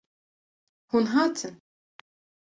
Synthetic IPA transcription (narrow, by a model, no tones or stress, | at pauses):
hunɦat͡sʰən